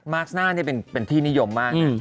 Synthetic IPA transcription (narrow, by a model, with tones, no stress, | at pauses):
maː˦˥k̚snaː˥˩ni˥˩ɐpe˧npe˧nt̪ʰiː˥˩ni˦˥jo˧mːaː˥˩ka˥˦˩